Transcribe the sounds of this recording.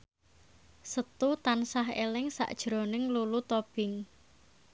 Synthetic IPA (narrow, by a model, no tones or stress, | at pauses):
sət̪ut̪ansaɦḛlɪŋsa̰ʔd̥ʒ̥ɾo̤nɪŋlulut̪ob̥ɪŋ